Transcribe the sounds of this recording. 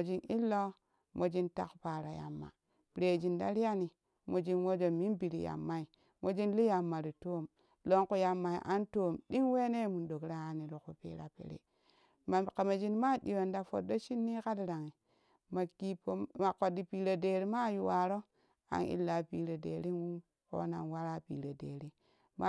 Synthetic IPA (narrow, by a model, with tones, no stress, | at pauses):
o˨d͡ʒi˦ni˦lːo˦ | mʔo˨d͡ʒi˦nta̰˦kpa˨ɾa˨ja̰˨mːa̰˨ | pɾe˨d͡ʒi˨nda̰˦ɾi˦ja˦ni˨ | mo˨d͡ʒi˦nwo˦d͡ʒo˨mi˦nbi˨ɾḭ˨ja̰˨mːa˦i˨ | mʔo˨d͡ʒi˦nli˦ja˨mːa˨ɾi˨to˦m | lo˦ŋku˦˨ja˨mːa˨ḭ˨ʔa̰˦nto˦mɗi˦ŋwe˦ne˦˨mu˨ndo˨kɾa˦a˨ni˨lo˨ku˨pḛː˨ɾa˨pḛ˨ɾḛ˨ | a˨ka˨ma˨d͡ʒi˦nma˦di˨wa˨nda˨fo̰˨do˦t͡ʃi˦nːi˦ka˦dɾa˨ŋi˨ | ma˨ki˨po˦ma˨ko˨di˨pi˨ɾo˨de˨ɾi˦ma˦˨ju˨wa˨ɾo˦ | a̰˨˦nḭ˦lːa˨pi˨ɾo˨dḛ˨ɾi˦nwu˦ | ko̰˦na̰˨nwa˦ɾa˦pḭː˨ɾe˨dḛː˨ɾi˦ | ma˦